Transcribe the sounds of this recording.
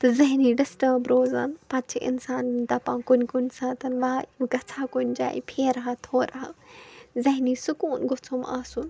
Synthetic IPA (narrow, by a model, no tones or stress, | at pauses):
t̪ɨzɐɦniɖɪsʈəːbɾoːzaːnpɐt̪t͡ʃʰiʔɪ̰nsaːnd̪ɐpãːkʊnkʊnsãt̪ɐnʋajũɡɐt͡sʰaːkʊnʲd͡ʒa̰ːḭpʰeːɾɐɦat̪ʰoːɾɐɦazɐɦniːsʊkuːnɡʊt͡sʰoma̰ːsun